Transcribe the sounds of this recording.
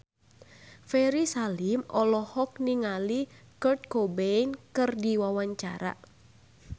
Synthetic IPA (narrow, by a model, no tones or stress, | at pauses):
fɛɾisalimɔlɔhɔk̚niŋalikərt̪̚kobɛjnkɨrdiwawaɲt͡ʃa̰ɾa̰